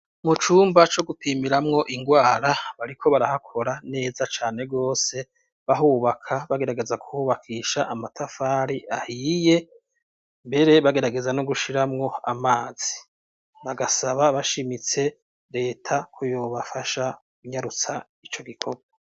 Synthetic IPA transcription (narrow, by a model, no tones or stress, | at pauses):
mut͡ʃuːmbat͡ʃo̞ɡupʰiːmiɾamŋo̞ʔiŋɡwaːɾaβaɾikʰo̞βaɾahakʰo̞ɾane̞ːzat͡ʃaːne̞ɡo̞ːse̞ | βaɦuβakʰaβaɡe̞ɾaɡe̞zaku̥huːβakʰiːʃaʔːmatʰafaːɾiahiːje̞ | mbe̞ɾe̞βaɡe̞ɾaɡe̞zanoɡuʃiɾamŋo̞amaːz̥i̥ | βaɡasaβaβaʃimit͡se̞ | ɾe̞ːtʰakʰojoβafaʃa | ɡuɲaɾut͡sa | it͡ʃo̞ɡikʰo̞ɡwa